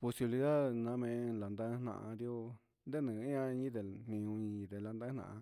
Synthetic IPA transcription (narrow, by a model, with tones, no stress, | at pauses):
po˧si˧βi˧li˧ða˦ðnã˧˦mẽ˧la˨nd̪ã˦n̥ã̰˧ʔã̰˧ɾi˦o˦ | nd̪e˦nɨ̃˨˦ã˧ɲĩ˦t̪e˨n̥nĩ˧ũ˧ɲĩ˧ĩ˧t̪e˧la˧nd̪ã˦nã̰˧ʔã̰˧